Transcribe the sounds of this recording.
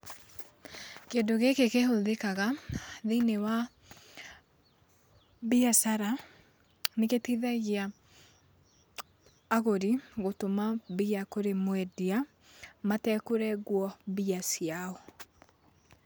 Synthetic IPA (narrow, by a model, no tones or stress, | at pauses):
keondoɣekekehoðekaɣaðinewa | biasaɾa | neketiðaɣia | ɣoɾiɣotomaβiakoɾemwɛdia | matɛkoɾɛɣwɔbiasiaɔ